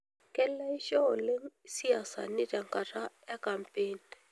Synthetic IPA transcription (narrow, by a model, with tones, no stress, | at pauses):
kʼɛ˦lla˦i˦ʃɔ˦ɔ˨le˦ŋsi˦ja˨sa̰˨ni˦tʼa˨ŋkʼa˨tʰa˦ | ɛ˦kʼa˨mpʼeː˦ni